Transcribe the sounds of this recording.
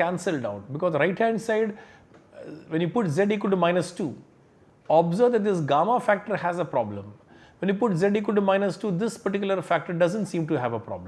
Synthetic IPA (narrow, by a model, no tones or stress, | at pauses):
kæ̃nsəlɖaʊʈ̚bɪkɔːzɾaɪʈhæ̃ɳɖsaɪɖ | ʋɛ̃njuːpʊʈzɛɖik̬əlʈumãɪnəsʈuː | ɔbzəɾʋd̪ɛʈ̚d̪ɪs̬ɡaːmafæk̚ʈəɾhæzəpɾɔblə̰̃m | ʋɛ̃njuːpʊʈzɛɖik̬əlʈumãɪnəsʈuːd̪ɪspɐɾʈɪkjʊləɾfæk̚ʈəɾɖʌzə̃nʈsĩːmʈuɦæʋəpɾɔ̰bl